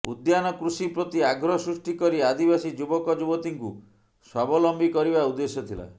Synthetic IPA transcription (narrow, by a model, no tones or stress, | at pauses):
ṵd̪janɔkɾusipɾɔt̪iaɡɾɔsɾusʈikɔɾiad̪ibasid͡ʒubɔkɔd͡ʒubɔt̪iŋku | swabɔlɔmbʱikɔɾibaud̪ːesjɔt̪ʰila̰